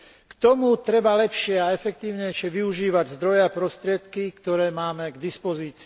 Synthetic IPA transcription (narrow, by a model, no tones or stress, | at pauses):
kt̪ɔmut̪ɾɛbalɛpʃɪɛaɛfɛk̚t̪iːʊɲɛjʃɪɛʋiuʒiːʋaɟzd̪ɾɔjɛapɾɔst̪ɾɪɛt̪kikt̪ɔɾɛːmaːmɛɡd̪ispɔziːt͡si